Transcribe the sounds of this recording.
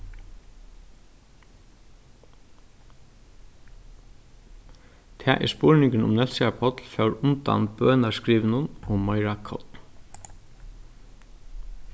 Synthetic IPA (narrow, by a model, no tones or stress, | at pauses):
t̪ʰɛːʔḭspʊɹnɪŋkɪnʊ̰mnɛlsapʰɔt̪lfɛwɾʊnt̪a̰nbøːnaskɹiːʋnʊnʊmɔjɹakʰɔ̰t̪n